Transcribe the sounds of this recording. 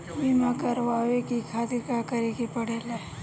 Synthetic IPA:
bimakəɾʋaʋekikʰat̪ikakəɾekepəɽele

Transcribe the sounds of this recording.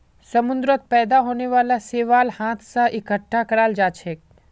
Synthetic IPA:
sɐmʊ̃nd̪ɾət̪̚pɛːd̪aɦoːneʋaːlaseːʋaːlhãːt̪ʰsaʔɪkəʈʰːakɐɾaːld͡ʒaːt͡ʃʰeːk̚

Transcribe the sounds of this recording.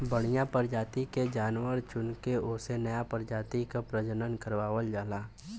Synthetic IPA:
bəɽ̃ijãpəɾd͡ʒaːt̪iked͡ʒaːnwəɾt͡ʃʊnkeʊsenəjapəɾd͡ʒaːt̪ikapɾəd͡ʒənənkəɾʋaːʋəld͡ʒaːlaː

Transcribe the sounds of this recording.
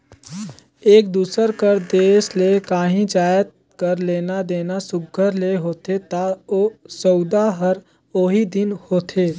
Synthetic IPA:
eːk̚d̪uːsəɾkəɾd̪eːslekaːɦĩd͡ʒaːjət̪̚ | kəɾleːnad̪eːnasʊɡʱəɾleɦoːt̪et̪aosɔʊd̪aɦəɾ | oːɦid̪ɪnhoːt̪ʰeː

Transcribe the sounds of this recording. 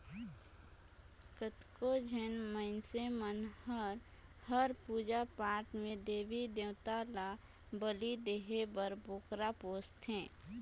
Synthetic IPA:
kət̪kod͡ʒʱənməɪnsemənhəɾ | həɾpuːd͡ʒapaːɾʈmẽd̪eːʋid̪ewt̪ala | bəlid̪eːɦebəɾboːkɾapoːst̪ɦɛ̃ː

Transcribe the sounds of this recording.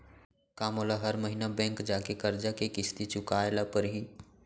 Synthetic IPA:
kaːmoːlaɦɐɾməɦinabɛ̃ːŋkd͡ʒaːkekɐɾd͡ʒakekɪst̪it͡ʃʊkaːɪlapəɾɦiː

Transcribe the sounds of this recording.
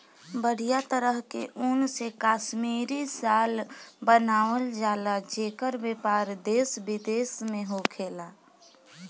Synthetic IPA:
bəɽ̤ijat̪əɾəɦkḛʔʊnsekaːʃmiːɾisaːlbənaːʋəld͡ʒaːlad͡ʒeːkəɾbeːpaːɾd̪eːsbɪd̪eːsmẽɦokʰeːlaː

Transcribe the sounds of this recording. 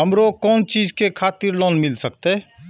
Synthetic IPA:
ɦəmɾoːkɔːnt͡ʃiːd͡ʒkekʰaːt̪ɪɾlɔːnmɪlsəkt̪eɦɛ

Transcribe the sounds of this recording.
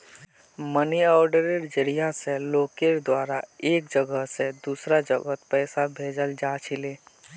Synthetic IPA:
məniɔːɾɖəɾeɾd͡ʒəɾijaseloːkeɾd̪waːɾaeːk̚d͡ʒəɡəɦsed̪uːsɾad͡ʒəɡət̪pɛːsabʱeːd͡ʒəld͡ʒaːt͡ʃʰileː

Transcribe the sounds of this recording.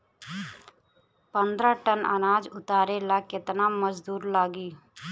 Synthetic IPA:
pə̃nd̪ɾaʈənə̰naːd͡ʒʊt̪aːɾelakɪt̪naməd͡ʒd̪uːɾlaːɡiː

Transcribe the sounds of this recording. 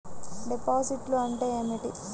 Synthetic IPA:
ɖipaːsiʈloɐɳʈeːeːmiʈi

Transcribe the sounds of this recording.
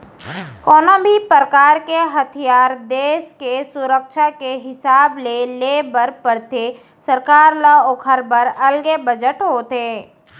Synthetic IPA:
kɔːnãbʱipɾəkaːɾkeɦɐt̪ʰijaːɾd̪eːʃkesʊɾəkʃakeɦɪsaːbleleːbəɾpəɾt̪ʰe | səɾkaːɾlaoːkʰəɾbəɾɐlɡebəd͡ʒəʈɦoːt̪eː

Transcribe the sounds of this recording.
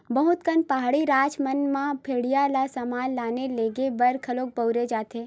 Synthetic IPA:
bɐɦʊt̪kənpaɦaɽiɾaːt͡ʃmənmãpʰeːɽijalasəmaːlːaːneleːɡebɐɾkʰɐloːk̚bəʊɾed͡ʒaːt̪eː

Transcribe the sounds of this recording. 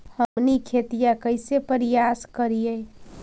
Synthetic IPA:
həmnikʰet̪ijakəɪsepəɾijaskəɾije

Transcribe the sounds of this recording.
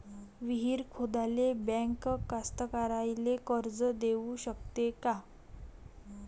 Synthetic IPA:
ʋiɦiːɾkʰod̪alebɛ̃ŋkkːast̪əkaɾajlekəɾd͡zəd̪euɕək̚t̪eka

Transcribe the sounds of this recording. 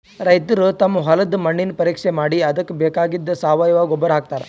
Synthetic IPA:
ɾɐjt̪ɾut̪ɐmːuɦɐlɐd̪mɐɳːinpɐɾiːkʂemaːɽiɐd̪ɐkːbeːkaːɡid̪ːɐsaːʋajʋaːɡɔbːɐɾɦaːk̚t̪aːɾe

